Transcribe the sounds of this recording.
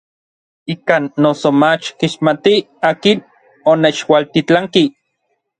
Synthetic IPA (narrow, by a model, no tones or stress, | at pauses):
ikaːnːosomat͡ʃkiʃmat̪i | aːkin | onet͡ʃwalt̪it͡ɬaŋki